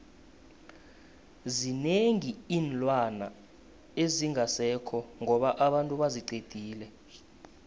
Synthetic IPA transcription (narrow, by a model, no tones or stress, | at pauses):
zineŋiiːnlʼwana̰ | eziŋasɛkʰɔŋɔɓaʔaɓantʼuɓaziǀed̥ʱiːlɛ